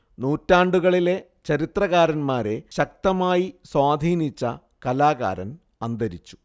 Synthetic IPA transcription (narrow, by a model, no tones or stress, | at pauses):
nuːtːaːɳɖuɣɐɭile̞ | t͡ɕɐɾit̪rɐɣaːɾɐnmaːɾe̞ɕɐk̚t̪ɐmaːjiswaːd̪ʱiːnit͡ɕːɐ | kɐlaːɣa̰ːɾɐ̰n | ɐnd̪ɐɾit͡ɕːu̥